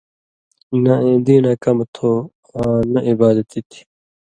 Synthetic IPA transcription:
naẽːd̪iːnaːkɐmt̪ʰoːxãːnɐʔibaːd̪ɐt̪it̪ʰi̥

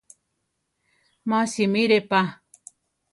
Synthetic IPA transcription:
mãsimiɾepa

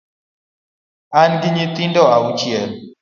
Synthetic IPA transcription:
anɡɪɲit̪indɔaut͡ʃjɛl

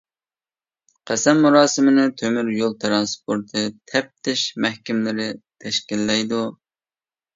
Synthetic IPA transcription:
qʰæsɛmːuɾɑːsɨmɪnɨt̪ʰømyɾjolˠt̪ʰɨɾɑnspʰoɾt̪ʰɨt̪ʰɛp̚t̪ʰɪʃmɛhkʲɪmlɪɾɪt̪ʰɛʃkʲilːɛjd̪u

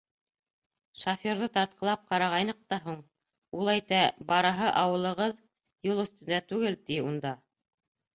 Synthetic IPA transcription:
ʃafʲoɾðɤt̪ɑɾt̪̚qɤlˠɑp̚qɑɾɑʁɑjnɤq̚t̪ɑɦuɴ | ulˠæjt̪æbɑɾɤ̆ɦɤʔɑwɤ̆lˠɤ̆ʁɤð | julˠɵ̆θt̪ɵ̆nd̪æt̪ʉɡɘlt̪iund̪ɑ

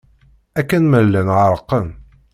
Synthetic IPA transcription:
ækːænməlːænʕəɾˤəqːən

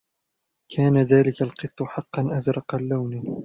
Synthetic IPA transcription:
kʰaːnaðaːlɪkalqɨt̪ˤːʊħɑqːɑnʔazɾˤɑqɑlːawnɪ

